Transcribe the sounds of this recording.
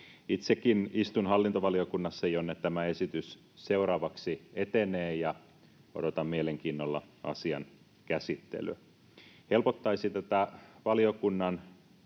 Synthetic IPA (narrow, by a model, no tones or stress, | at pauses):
it̪sekinist̪unhɑlːint̪oʋɑliokunːɑsːɑjonːet̪t̪æmæesit̪ys | seuwrɑːʋɑksiet̪eneːjɑ | odot̪ɑmmieleŋkiːnːolːɑ̰ɑ̰siɑ̰n | kæsit̪ːḛly̰ | helpot̪ːɑisit̪æt̪æʋɑliokunːɑn